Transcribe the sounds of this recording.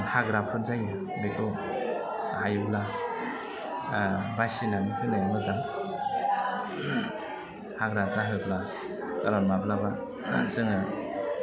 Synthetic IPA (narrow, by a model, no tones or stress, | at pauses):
haɡɾapʰɯnzajɯ | lekʰɯ | hajbla | basinanikʰɯnɯmɯzam | haɡɾazaɦɯbla | aɾɔnmablaba | sɯŋa